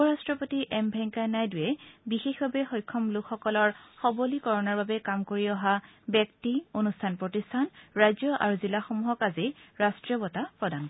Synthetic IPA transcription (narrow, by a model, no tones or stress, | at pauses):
upɔɹastɹɔpotiʔɛmbʱɛŋkanajdʊjɛbixexbabɛxɔjkʰːɔmlʊkʰxɔkɔlɔɹxɔbolikɔɹɔnaɹbabɛkamkoɹiɔɦabjɛk̚tionustʰanpɹotistʰanɹajzjɔʔa̰ɹuzilaxomuɦɔkazɛɹastɹiɔbɔtapɹɔdankɔ